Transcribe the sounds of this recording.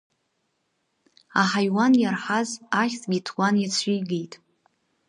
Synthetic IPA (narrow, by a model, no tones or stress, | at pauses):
aħajwanjarħazaχʲt͡sʼɡʲitʰwanjat͡sʷʰijɡejtʼ